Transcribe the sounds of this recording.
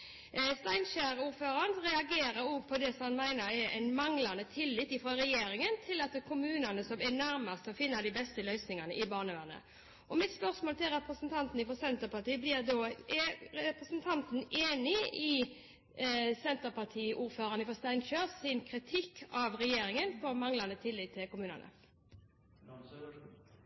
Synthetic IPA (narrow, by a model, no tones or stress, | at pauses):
st̪æɪnɕæːɾuːɾføːɾɑnʁɛɑɡeːɾəɾuːpʰɔd̪ɛsɔmɑnmæɪnəɾɛɾʔæ̰ɪnmɑŋlɑnət̪ʰɪlːɪt̪ːɪfʁɑːɾɛjeːɾɪŋənt̪ʰɪlɑt̪̚d̪ɛkʰʊmʉːnɑnəsɔmænæɾmɑst̪ɔfɪnːɑd̪ɪbɛst̪əlœʏsnɪŋɑnəʔɪbɑːʁnəʋænə̰ | ʔɔmɪt̪spœʁsmoːlt̪ɪlɾɛpʁəsnt̪ʰɑnt̪n̩ɪfɔsɛnt̪əɾpɑt̪iːblɪɾd̪o | ɾɛpʁəsnt̪ʰɑnt̪n̩eːnɪɪ | sɛnt̪əpɑt̪ʰiːʔuːɾføːɾɑnəfɔst̪æɪnt͡ʃøːsɪnkʰɾɪt̪ʰɪkʰːɑʋʁɛjeːɾɪŋənpʰɔmɑŋlɑnət̪ʰɪlːɪt̪ʰːɪlkʊmʉːnɑ̰nə̰